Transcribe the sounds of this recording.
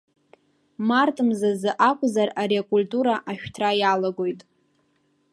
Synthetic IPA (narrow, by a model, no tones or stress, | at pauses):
martʼɨmzazɨʔakʷʼzaraɾeakʼultʼuɾaʔaʃᶣtʰrajalaɡo̞jtʼ